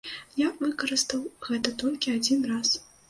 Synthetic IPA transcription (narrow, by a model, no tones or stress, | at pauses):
javɨkɐɾɨst̪ɐwɣɛt̪ɐt̪ɔlʲkʲiad͡zʲinras